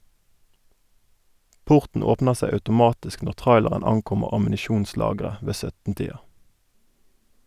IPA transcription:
ˈpʊʁtɳ̩ ˈoːpnə ˈseɪ ɑʉtʊˈmɑːtɪsk ˈnɔʁ ˈtʁɑɪləʁən ˈɑŋˌkʊməʁ ɑmn̩ɪˈʃuːnˌslɑːɡʁə ˈʋeː ˈsœtn ˈtiːɑ

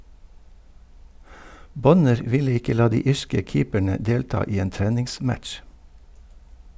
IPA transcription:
ˈbɔnəɾ ˈʋɪlə ˈɪkə ˈlɑː ˈdiː ˈiːʃkə ˈkiːpæɳə ˈdeːltɑː ˈiː ˈeːn ˈtɾɛnɪŋˌsmætʃ

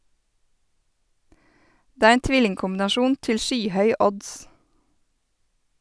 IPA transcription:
ˈdeː ˈæːɾ ˈeːn ˈtʋɪlɪŋkʊmbɪnɑˌʃuːn ˈtɪl ˈʃyːˌhœʏ ˈɔds

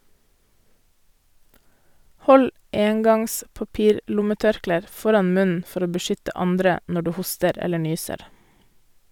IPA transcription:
ˈhɔl ˈeːŋɡɑŋs pɑˈpiːɾˌlʊməˌtœɾkleːɾ ˈfɔɾɑn ˈmʉnn̩ ˈfɔɾ ˈoː bəˈʃʏtə ˈɑndɾə ˈnɔ ˈɖʉː ˈhʊstəɾ ˈɛlə ˈɳyːsəɾ

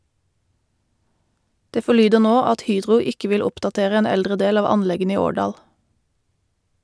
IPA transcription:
ˈdeː fɔˈɭyːdəʁ ˈnoː ˈɑt ˈhyːdʁʊ ˈɪkə ˈʋɪl ˈʊpdɑˌteːʁə ˈeːn ˈɛldʁə ˈdeːl ˈɑːʋ ˈɑnˌlɛɡən ˈiː ˈoːɖɑːl

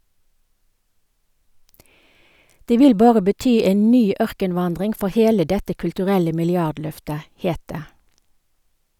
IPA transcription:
ˈdeː ˈʋɪl ˈbɑːʁə bəˈtyː ˈeːn ˈnyː ˈœʁkənˌʋɑndʁɪŋ ˈfɔʁ ˈheːlə ˈdɛtə kʉltʉˈʁɛlə mɪlɪˈɑdˌlœftə ˈheːt ˈdeː

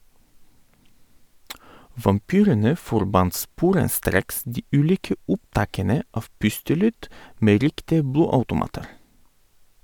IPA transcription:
ʋɑmˈpyːɾənə fɔɾˈbɑnt ˈspuːɾənˌstɾeːks ˈdiː ˈʉːˌliːkə ˈʔʊpˌtɑːkənə ˈɑf ˈpʉstəˌlyːd ˈmeː ˈɾɪktɪə ˈbluːɑʉtʊˌmɑːtəɾ

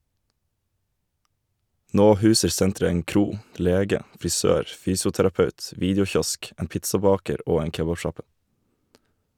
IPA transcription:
ˈnoː ˈhʉːsəɾ ˈsɛntɾə ˈeːŋ ˈkɾuː ˈleːɡə fɾɪˈsøːɾ ˈfyːsʊtæɾɑˌpɑʉt ˈʋiːdjʊˌçɔsk ˈeːn ˈpɪtsɑˌbɑːkəɾ ˈoː ˈeːŋ ˈkeːbɑˌʃɑpə

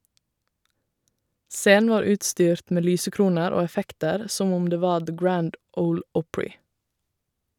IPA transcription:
ˈseːn̩ ˈʋɑːɾ ˈʉːtˌstyːɾt ˈmeː ˈlyːsəˌkɾuːnəɾ ˈoː ɛˈfɛktəɾ ˈsɔm ˈʊm ˈdeː ˈʋɑː ðə ˈɡɹænd ˈəʊl ˈɔpɹɪ

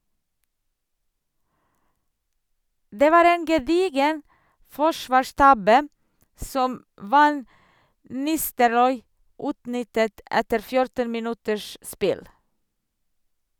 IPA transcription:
ˈdeː ˈʋɑːɾ ˈeːn ɡɛˈdiːɡən ˈfɔʃʋɑːˌʃtɑbə ˈsɔm ˈʋɑn ˈnɪstəɾɔʏ ˈʉːtˌnʏtət ˈʔɛtəɾ ˈfjʊɾtən mɪˈnʉtəʃ ˈspɪl

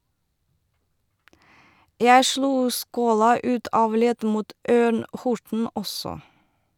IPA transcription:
ˈjæɪ ˈʃluː ˈskoːlɑ ˈʉːt ˈɑːʋ ˈlɛd ˈmuːt ˈøːɳ ˈhʊʈɳ̩ ˈɔsɔ

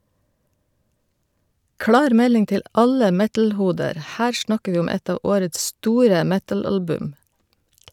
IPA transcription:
ˈklɑːɾ ˈmɛlɪŋ ˈtɪl ˈɑlə ˈmɛtl̩ˌhuːdəɾ ˈhæːɾ ˈʃɳɑkə ˈʋiː ˈʊm ˈɛt ˈɑː ˈoːɾəts ˈstuːɾə ˈmɛtɑˌlɑlbʉm

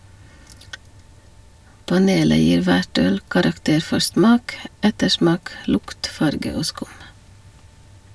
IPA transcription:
pɑˈneːlə ˈjiːɾ ˈʋæʈ ˈœl kɑɾɑkˈteːɾ ˈfɔɾ ˈsmɑːk ˈɛtəˌʃmɑːk ˈlʊkt ˈfɑɾɡə ˈoː ˈskʊm

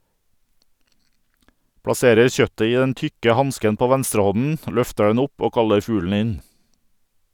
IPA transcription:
pɽɑˈseːɾəɾ ˈçœtə ˈiː ˈdɛn ˈtʏkə ˈhɑnskən ˈpoː ˈʋɛnstɾəˌhɔnn̩ ˈlœftə ˈdɛn ˈʊp ˈoː ˈkɑləɾ ˈfʉːlɳ̩ ˈɪn

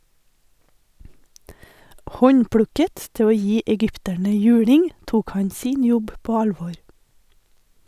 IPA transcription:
ˈhɔɲˌpɽʉkət ˈtɪ ˈoː ˈjiː ɛˈɡʏptæɳə ˈjʉːɽɪŋ ˈtuːk ˈhɑɲ ˈsiːn ˈjɔb ˈpoː ˈɑlʋɔɾ

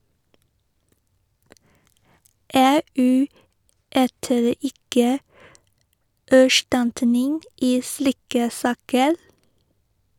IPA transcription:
ˈeːˌʔʉː ˈyːtəɾ ˈɪkə æˈʃʈɑntənɪŋ ˈiː ˈsliːkə ˈsɑːkəl

